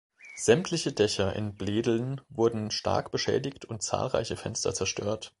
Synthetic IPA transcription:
z̥ɛmtʰlɪçədɛçɐʔɪ̰nbleːdl̩nvʊɐdn̩ʃta̰ɐkb̥əʃɛ̰ːdɪçtʰʊnt̚t͡sa̰ːlʁa̰ɪçəfɛnstɐ̰t͡sɛɐʃtʰøːɐt

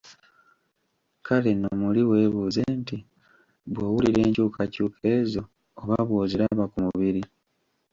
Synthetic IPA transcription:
kalenomuliwe̞ːβuːze̞nti | βwowuliɾe̞ːɲcuːkʰacuːkʰe̞ːzo̞ː | βaβwoːziɾaβakumuβiɾi

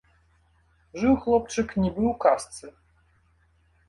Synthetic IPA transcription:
ʐɨwxlˠɔp̚t͡ʂɨknʲɛbɨwkast̪sɨ

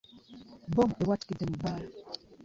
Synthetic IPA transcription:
bɔmewatkidəmba

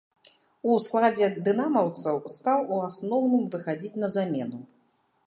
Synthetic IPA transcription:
usklˠad͡zʲɛd̪ɨnamɐwt̪sɐwst̪awuasnɔwnɨmvɨxad͡zʲit͡sʲn̪ɐzamʲɛnu

